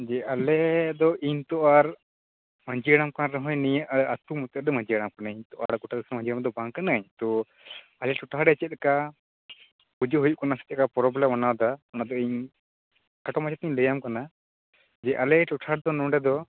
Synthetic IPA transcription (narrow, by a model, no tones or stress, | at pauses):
d͡ʒɛʔalɛd̪ɔʔiɲt̪ɔʔaɾ | məɲd͡ʒiəɽamkanaɾɔɦɔ̃jnijəat̪umut̪əɾd̪mə̃ɲd͡ʒiaɽamkanaiɲt̪ɔʔa̰ɽkuʈasɾmə̃ɲd͡ʒiɽamd̪ɔbaŋkanaɲt̪ɔ | alɛʈɔʈʰaɽɛt͡ʃɛt̪̚ɛka | pud͡ʒəɦujuʔkɔnasɛ̥t̪̚kapɔɾɔblɛmanawd̪aɔnad̪ɔiɲ | kaʈɔmat͡ʃɛt̪̚iɲləjamkana | d͡ʒɛʔalɛʈɔʈʰaɽ̚d̪ɔnɔɖɛd̪ɔ